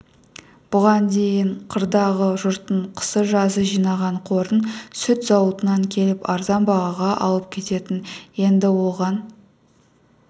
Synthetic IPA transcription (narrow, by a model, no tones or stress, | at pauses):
b̥ʊʁɑnd̪e̞jɪɴqʰəɾd̪ɑʁəʒʊɾt̪əɴqʰə̥səʒɑzəʒijnɑʁɑɴqʰo̞ɾənsʏt̪z̥ɑwət̪ənɑŋkʲʰe̞lɪpɑɾzɑmbɑʁɑʁɑʔɑ̰lˠəp̚kʲʰe̞t̪e̞t̪ɪnje̞nd̪ɪwo̞lˠʁɑn